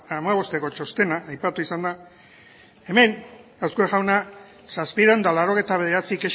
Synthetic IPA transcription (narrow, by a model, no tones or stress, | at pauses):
amaβ̞o̞st̪e̞ko̞t͡ʃo̞st̪e̞naːjpat̪uisand̪a | e̞me̞nawskueʝawna | saspiɾand̪alaro̞ɣ̞ejt̪aβe̞ð̞e̞ɾat͡sikeʃ